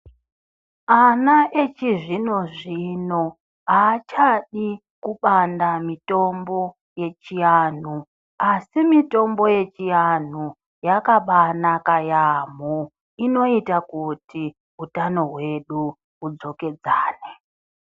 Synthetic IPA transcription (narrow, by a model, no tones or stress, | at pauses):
anaʔet͡ʃiʐino̞ʐino̞ | aːt͡ʃaɗi | kuɓandamito̞mbo̞ | je̞t͡ʃijan̤u | asimito̞mbo̞je̞t͡ʃijan̤u | jakaɓanakajamu | ino̞itakutʰi | utano̞ɦwe̞ɗu | ud͡zo̞ke̞d͡zaːne